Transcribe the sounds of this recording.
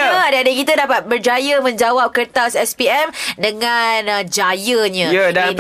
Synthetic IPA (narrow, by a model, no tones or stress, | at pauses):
adaadəkit̪adapat̪̚bərd͡ʒajəmə̃ɲd͡ʒawap̚kərt̪asɛspiɛmdəŋand͡ʒajəɲãjdai